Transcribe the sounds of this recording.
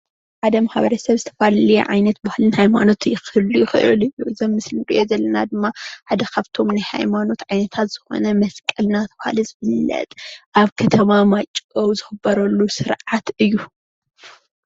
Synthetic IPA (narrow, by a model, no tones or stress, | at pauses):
ħad̪ɐmaħaβɐɾɐsɐβzɨt̪ʰɐfalɐlḭʕa̰jnɐt̪̚bahalɨnhajmano̞t̪jɪxɨlujɪxɨʔɨ̰lɨjuɨzɐmːɨslɨkʼɨʔezɐlːɐnad̪ɨmːaħad̪ɐkʰaβt̪ʰo̞mnajha̰jmano̞t̪ʕajnɐt̪ʰat̪z̥ɨxo̞̰nɐmɐskʼɨlnat̪ʰɐbaha̰lɨzɨβɨlːɐ̰t̪ʼʔaβkʰɐt̪ʰɐmamat͡ʃʼʔowzɨxɨbːɐɾɐlːusɨɾʕat̪ɨjːu